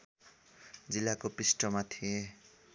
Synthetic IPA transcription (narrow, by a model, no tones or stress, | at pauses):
d͡zilːakopisʈʌmat̪ʰie